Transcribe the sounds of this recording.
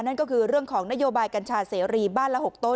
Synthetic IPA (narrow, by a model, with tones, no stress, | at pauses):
na˦˥˩nkɔː˥˩kʰɯː˧ɾɯ˥˩əŋkʰɔː˩˦ŋna˦˥joː˧baː˧jka˧nt͡ɕʰaː˧seː˩˦˥ɾiː˧baː˥˩nla˦˥ho˨˩k̚t̪o˦˥˩